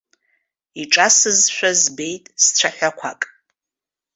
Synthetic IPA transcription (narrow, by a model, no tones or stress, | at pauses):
iʈ͡ʂʼasɨzʃʷᶣazbe̞jtʼst͡sʷʰaħʷᶣakʷʰakʼ